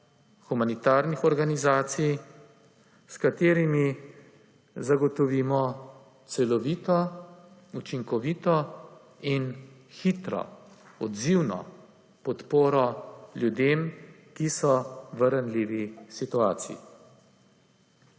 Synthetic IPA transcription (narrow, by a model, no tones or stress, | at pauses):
xumanit̪aːɾnixɔɾɡanizaːt̪sij | skat̪eːɾimi | zaɡɔt̪ɔʋiːmɔ | t̪sɛlɔʋiːt̪ɔ | ut͡ʃiŋkɔʋiːt̪ɔ | in | xit̪ɾɔ̰ | ɔd̪ziwnɔ̰ | pɔt̪poːɾɔljud̪eːm | kisɔʋəɾanliːʋisit̪uaːt̪sḭḭ